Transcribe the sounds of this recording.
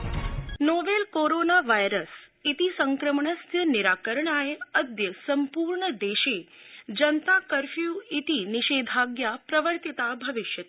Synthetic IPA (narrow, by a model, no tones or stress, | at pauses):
noʋelkoɾonaʋajɾəsit̪isəŋkɾəmɳəst̪ʰjəniɾaːkəɾɳaeəd̪jəsəmpuːɾɳəd̪eʃeː | d͡ʒənt̪akəɾfjuit̪iniʃeːd̪ʱaɡjapɾɐʋəɾt̪it̪abʱɐʋɪʃjət̪